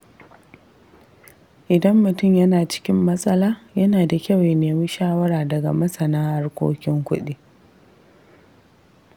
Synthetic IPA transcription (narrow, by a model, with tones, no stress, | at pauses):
ʔɪ˨dɐ˦mːʊ˨tʊ˦˨mjɐ˦naː˨t͡ʃɪ̥˦kʲɪ˦mːɐ˦sʼɐ˦laː˦jɐ˦naː˨da˨kʲɐ˦˨wje˨neː˨mɪ˦nʃaː˦wɐ˦ɾaː˨dɐ˨ɡa̰˨mɐ˦sɐ˨naː˦ha˦rkʷo̰ː˦kʲɪ˦ŋkʷʊ˦ɗi˦